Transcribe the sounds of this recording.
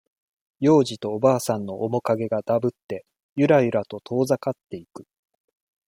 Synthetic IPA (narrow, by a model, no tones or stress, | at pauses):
jo̞ːʑit̪o̞ːbaːsãnːo̞ʔːmo̞kaɡe̞ɡad̪abɯ̟t̪ːe̞ | jɯ̟ɾaɯɾat̪o̞t̪ʰo̞ːzakat̪ːe̞ikɯ̟